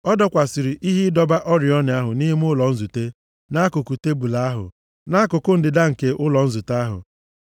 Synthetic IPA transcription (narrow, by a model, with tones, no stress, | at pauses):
ɔ˦dɔ˦kʷa˨si˨ɾi˨ʔi˦ɦi˦dɔ˦ba˦ʔɔ˦ɾjɔ˦ne˨a˦ɦʊ˨ni˦ɦi˦m˦ʊ˦lɔ˨n̩˦zu˨te˦ | na˦kʊ˨ku˨te˦bu˨la˦a˦ɦʊ̰˨ | na˦kʊ˨kʊ˦n̩˨dɪ˨da˦ŋ̩˨ke˦ʔʊ˦lɔ˨n̩˦zu˨ta˦ɦʊ̰˨